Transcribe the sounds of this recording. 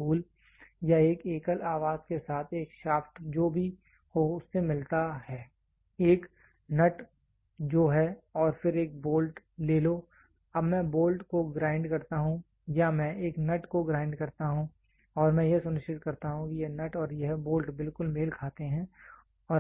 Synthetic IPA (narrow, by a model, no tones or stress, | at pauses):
uːl | jaeːkeːkəlaːʋaːzkesaːt̪ʰeːkʃaːfʈd͡ʒoːbʱi | hoʊsːemɪlt̪aɦɛː | eːk | nɐʈ | d͡ʒoːɦɛɔːɾfɪɾeːk̚boːlʈleːlo | ɐbmɛ̃boːlʈkoɡɾaːɪ̃ɳɖkɐɾt̪aɦũ | jamɛ̃ʔeːknɐʈkoɡɾaːɪ̃ɳɖkɐɾt̪aɦũ | ɔːɾmɛ̃jesʊnɪʃt͡ʃɪt̪kɐɾt̪aɦũkijenɐʈɔːɾjɐɦboːlʈbɪlkʊlmeːlkʰaːt̪eɦɛ̃ː | ɔː